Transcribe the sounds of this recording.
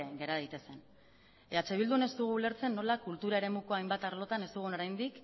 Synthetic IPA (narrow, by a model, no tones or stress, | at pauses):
eɣe̞ɾaðejt̪e̞se̞n | eat͡ʃe̞β̞ild̪une̞st̪uɣ̞uːle̞ɾt͡se̞nːo̞lakult̪uɾaeɾe̞muko̞ajmbat̪aɾlo̞t̪ane̞st̪uɣ̞uno̞ɾajnd̪ik